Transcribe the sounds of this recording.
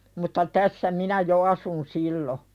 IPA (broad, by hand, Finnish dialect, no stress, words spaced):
mutːɑ tæsːæ minæ jo ɑsun silːo